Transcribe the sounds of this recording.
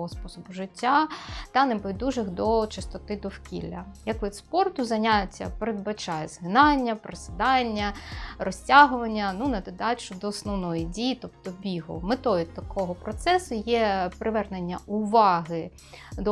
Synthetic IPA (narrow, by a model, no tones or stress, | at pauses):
ɔspɔsɔbʊʒɪtʲːat̪ɐnɪpɔʋʲjd̪uʒɪxd̪ɔt͡ʃɪst̪ɔt̪ɪd̪ɔwkʲḭlʲːɐjɐkʋid̪spɔrt̪ʊzɐnʲatʲːɐ̰peɾed̪̚bɐt͡ʃɑjɛz̥ɦɪnɑnʲːɐpɾesɪd̪ɑnʲːɐrɔsʲtʲaɦʊʋɐnʲːɐnunɐd̪ɪd̪ɑt͡ʃʊd̪ɔːsnɔwnɔjidʲijit̪ɔp̚t̪ɔbʲiɦʊ̰met̪ɔjit̪ɐkʰɔɦɔpɾɔt̪sɛsʊjɛpɾʔɪʋɛrne̞nʲːɐʔʊʋɑɦɪ | d̪ɔ